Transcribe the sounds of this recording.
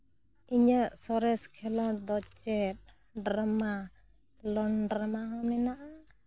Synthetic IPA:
iɲəʔsɔɾɛskʰɛlɔɾd̪ɔt͡ʃɛt̪̚ | ɖɾama | lɔnɖɾamaɦɔmnɛnaʔa

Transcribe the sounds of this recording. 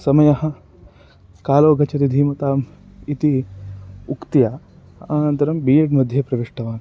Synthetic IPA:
sɐmɐjɐɦɐ̆ | kaːloːɡʱɐt͡ʃʰɐt̪id̪ʱiːmɐt̪aːm | it̪i | ukt̪ijaː | ɐːnɐnt̪ɐɾɐmbiːɐʈmɐd̪ʱjɐpɾɐʋiʂʈɐʋaːn

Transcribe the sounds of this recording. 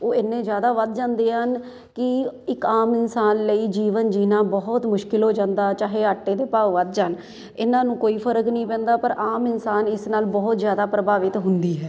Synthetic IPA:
oːɪnːẽːzjaːd̪aːʋəd̪̚d͡ʒãːnd̪eːɦən | kɪɪkaːmɪnsaːnləiːd͡ʒiːʋənd͡ʒiːnãːbɔɦʊt̪mʊʃkɪlɦoːd͡ʒãːnd̪aːt͡ʃaːɦeːaːʈːeːd̪eːpaːʋʋəd̪̚d͡ʒaːn | ɪnːãːnũːkoːiːpʰəɾəknəĩːpɛ̃ːnd̪aːpəɾʔaːmɪnsaːnɪsnaːlbɔːt̪zjaːd̪aːpɾəbaːʋɪt̪ɦʊnd̪iːɦɛː

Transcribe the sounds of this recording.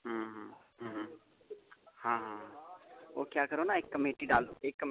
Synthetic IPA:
ɦɦ | ɦɦ | hãːɦãːɦão̰ːkjaːkəɾonaeːkːəmeːʈiɖaːld̪oeːkːə

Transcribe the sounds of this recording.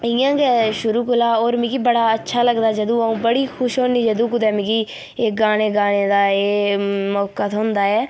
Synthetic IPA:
ɪjãːɡɛːʃʊɾuːkʊlaːoːɾmɪ̃kiːbəɽaːətːʃʰaːləɡd̪aːd͡ʒəd̪õːəũːbəɽiːkʰʊʃɦõːniːd͡ʒəd̪õːkʊd̪ɛːmɪkɡiː | eːɡaːɽ̃eːɡaːɽeːd̪aːeːmɔːkːət̪ɦʊnd̪aːɛː

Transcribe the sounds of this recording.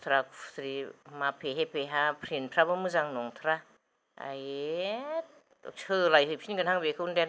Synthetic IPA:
t̪ʰɾaksɾimapʰeɦepʰeɦapʰɾinpʰɾabɯmɯzaŋnoŋt̪ʰɾa | a̰j | t | t͡ʃʰɯlajhɯpʰinkɡɯnhaŋbekʰɯundɛ

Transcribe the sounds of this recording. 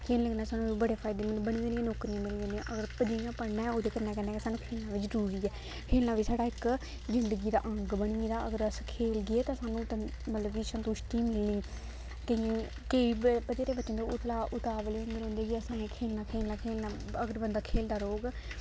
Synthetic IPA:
kʰeːlləɡnaːsaːnũːʋiːbəɽeːpʰaːɪd̪eːmənbəɽ̃iːd̪eːnɪ̃jãːnoːkɾijãːmɪlːd̪eːnd̪ĩã̰ʔəɡəɾpəd̪iãːpəɽnɛ̃ːoːd̪eːkəɾnɛːkɛːndeɛːkesaːnũːkʰeːlnãːʋɪt͡ʃzəɾuːɾiːɛː | kʰeːlnaːʋiːsaːɖaːɪk | zɪnd̪əɡiːd̪a̰ːʔə̃ŋɡbəɽ̃ĩːd̪aːʔəɡəɾəskʰeːlɡɪeːt̪ãːsaːnũːt̪ːmət̪ləbiːsənt̪ʊʃʈ̪iːmɪlnĩː | kəiãː | kəiːbpəd̪eːɾeːbət͡ʃːənd̪oːʊt̪ʰlaːʔʊt̪aːʋleːɦõnd̪əõːnd̪eːɡəsãːkʰeːlnaːkʰeːlnaːkʰeːlnaː | əɡəɾbənd̪aːkʰeːld̪aːɾoːɡ

